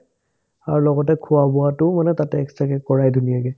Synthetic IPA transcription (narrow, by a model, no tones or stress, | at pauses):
aɹulɔɡɔtɛkʰʊabɔatʊmanɛtatɛːkstɹakɛkɔɹajdʱunijaɡɛ